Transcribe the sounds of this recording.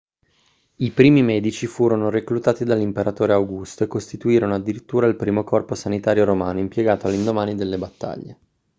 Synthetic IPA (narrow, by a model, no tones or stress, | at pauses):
ipɾiːmimɛːd̪it͡ʃifuːɾonoɾeklut̪aːt̪id̪alːimpeɾat̪oːɾeawɡust̪oekost̪it̪uiːɾonoad̪ːiɾit̪ːuːɾailpɾiːmokɔrposanit̪aːɾjoɾomaːnoimpjeɡaːt̪oalːind̪omaːnid̪elːebat̪ːa̰ʎːe